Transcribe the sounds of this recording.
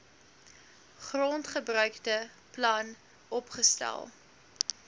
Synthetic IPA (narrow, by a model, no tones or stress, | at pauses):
χrɔntχəbrœɥktə | plɐn | ɔpχəstæ̰lˠ